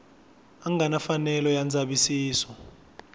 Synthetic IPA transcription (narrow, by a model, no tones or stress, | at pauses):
aŋanafanɛlɔjand͡zʱaɓisiːsɔ